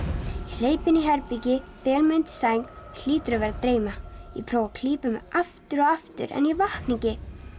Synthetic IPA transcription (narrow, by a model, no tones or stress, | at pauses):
l̥eːjpɪniɦɛɾpicɪpɛːlmʏnt̪ɪ̥saːjŋl̥iːt̪ʏɾʏvɛɾat̪ɾeːjmajɛ̰pʰɾoːwakʰliːpʏmɪaft̪ʏɾɔɣaft̪ʏ̰ɾʔɛ̰njɛvahkniŋcɪ